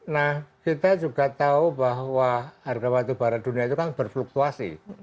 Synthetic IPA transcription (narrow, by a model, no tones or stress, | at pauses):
nahkit̪ad͡ʒuɡa̤t̪aubaɦwaːrɡamat̪ub̥aɾat̪̚d̪̥ṳnijait̪ukanb̥ərfluk̚t̪uasḭ